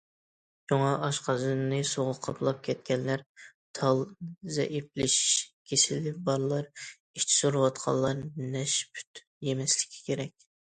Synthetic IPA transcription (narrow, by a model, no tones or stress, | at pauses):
joŋɑʔɑʃqɑzɨnnɨsoʁʊqʰɑpʰlˠɑp̚kʲʰɛt̪̚kʲɛnlæɾt̪ʰɑlˠzɛ̰ʔip̚lɪʃi̥ʃkʲʰesɪlɪbɑɾlˠɑɾ | iʃt͡ʃʰi̥soɾɨwɑt̪̚qʰɑ̰lˠːɑɾnɛʃpʰy̥t̪ | jemɛslɪ̥kʲʰi̥kʲʰeɾɛkʲ